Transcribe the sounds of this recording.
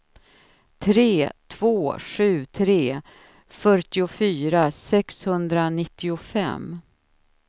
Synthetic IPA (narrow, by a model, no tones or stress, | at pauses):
t̪ʰɾeːt̪ʰv̥oːɧʉ̟ːt̪ʰɾeː | fœʈɪʊfyːɾasɛkshɵnd̪ɾanɪt̪ʰːɪʊfɛ̰m